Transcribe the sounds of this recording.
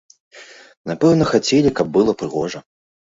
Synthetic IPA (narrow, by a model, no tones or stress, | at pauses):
napɛwnɐxat͡sʲelʲikɐb̚ːɨlˠɐpɾɨɣɔʐɐ